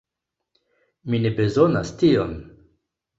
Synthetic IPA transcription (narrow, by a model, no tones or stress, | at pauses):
minebe̞zona̰stion